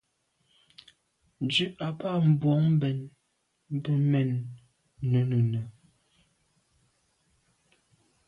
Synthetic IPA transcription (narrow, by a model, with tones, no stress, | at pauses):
nd͡ʒʉ˦a˨pa˦˨m̩˨bwɔ˨˦ŋm̩˦bɛ˨n | m˦bə˦mɛ˨nː | ə˨˦nə˨nə˨